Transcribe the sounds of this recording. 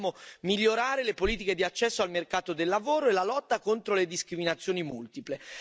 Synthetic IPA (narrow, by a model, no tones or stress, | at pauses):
momiʎːoɾaːɾelepoliːt̪̬iked̪iat͡ʃːɛsːoalmerkaːt̪od̪elːavoːɾoelːalɔt̪ːakont̪ɾoled̪iskɾiminat̪sːjoːnimult̪iple